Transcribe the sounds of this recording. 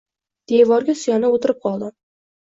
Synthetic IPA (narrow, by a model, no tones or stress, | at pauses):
d̪̥evɒɾɡʲasʊjanɪot̪ɪɾɪp̚qʰɒlˠd̪ɪ